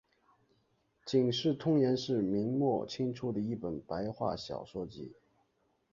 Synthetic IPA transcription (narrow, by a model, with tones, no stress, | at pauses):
t͡ɕi˨˩ŋʂɻ̩˥˩t̪ʰʊ˥ŋjɛ˧˥nʂɻ̩˥˩mi˧˥ŋmwɔ˥˩t͡ɕʰi˥ŋʈ͡ʂʰu˧˥d̪ə˨i˥˩pə˨˩npa˧˥ɪxwa̰˥˩ɕjɑ̰˨˩ʊʂwɔ˥˩t͡ɕḭ˥